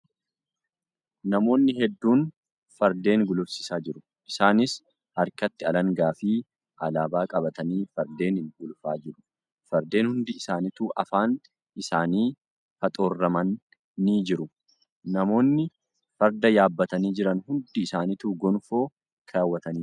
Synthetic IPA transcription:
nɐmo̞ːnːɪɦɛd̪ːuːn | fɐɾd̪e̞ːŋɡʊlʊfsɪ̥saːd͡ʒɪɾʊ | ʔɪsaːnɪs | hɐɾkɐt̪ːɪɐlɐŋɡaːfiː | ʔɐlaːbaːkʼɐbɐt̪ɐniːfɐɾd̪e̞ːnɪŋɡʊlfaːd͡ʒɪɾʊ̥ | fɐɾd̪e̞ːnhʊnd̪ɪɪsaːnɪt̪uːʔɐfaːn | ʔɪsaːniː | hɐt̪ʼo̞ːrːɐmɐnː | iːd͡ʒɪɾʊ | nɐmo̞ːnːɪ | fɐɾd̪ɐjaːbːɐt̪ɐniːd͡ʒɪɾɐnhʊnd̪ɪːsaːnɪt̪uːɡɔnfo̞ː | kʰaːwːɐt̪ɐniː

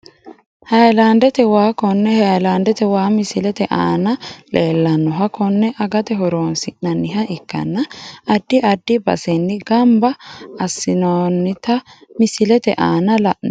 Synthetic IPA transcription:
hɐjland̪ɛt̪ɛwaːkɔnːɛhɐjland̪ɛt̪ɛwaːmɪsɪlɛt̪ɛʔa̰ːnɐle̞ːlːɐnːɔɦɐkɔnːɛʔɐɡɐt̪ɛɦɔɾoːnsɪʔnɐnːɪɦɐʔɪkːɐ̰nːɐːd̪ːɪʔɐd̪ːɪbɐ̰sɛnːɪɡɐmbɐɐsːɪnoːnːɪt̪ɐmɪsɪlɛt̪ɛ̰ʔa̰ːnɐlɐʔ

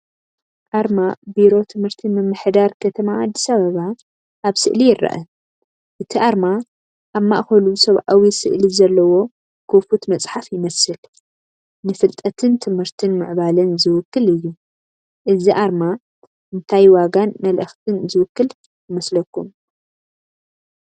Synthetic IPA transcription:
ʔaɾmabiɾo̞t̪ʰɨmhɨɾt̪ʰimɨmːɨħd̪aɾkʰɐt̪ʰɐmaad̪ːisaβɐβa | ʔaβsɨ̰ʔlijɪrːɐ̰ʔɐ | ʔɨt̪ʰiʔaɾma | ʔaβmaʔxɐlusɐβʔawisɨ̰ʔlizɐlːɐwo̞ | kʰofut̪mɐt͡sʼħafjɪmɐsɨl | nɨfɨlt̪ʼɐt̪ʰɨnt̪ʰɨmhɨɾt̪ʰɨnmɨʕbalɨnzɨwʊkːɨlɨjːu | ʔɨziʔaɾma | ʔɨnt̪ʰajwaɡanmɐlʔɨxt̪ʰɨnzɨwʊkːɨl | jɨmɐslɐkːum

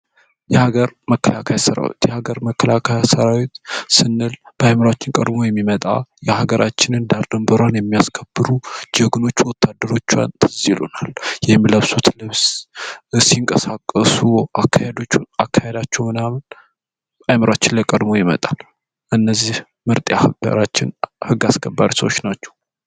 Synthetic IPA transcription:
jɛhaɡəɾməkʰːəlakʰajasəɾa̰wḭt̪jɛhaɡəɾməkʰːəlakʰajasəɾawit̪sɨnːɨlb̥əajməɾat͡ʃːɪnkʼəd̪mo̞jɛmːimət̪ʼa̰jɛhaɡəɾʔat͡ʃːɪnɨnd̪aɾd̪əmbəɾanjɛmːijaskʰəbɨɾud͡ʒəɡno̞t͡ʃːwɔt̪ːad̪ːəɾo̞t͡ʃːa̰nt̪ʰɨzilo̰naljɛhmːləβsot̪ʰlɨβs | siŋkʼəsakʼːəsuakʰːahed̪o̞t͡ʃːakʰːahed̪at͡ʃːɛwmɨnamn | ajməɾat͡ʃːɪnləkʼəd̪mo̞jɪmə̰t̪ʼal | ʔɨnːəzːih | mɨɾt̪ʼjahə̰ɾat͡ʃːɪ̰nhɨɡːaskʰəbːaɾisəwot͡ʃnat͡ʃːɛw

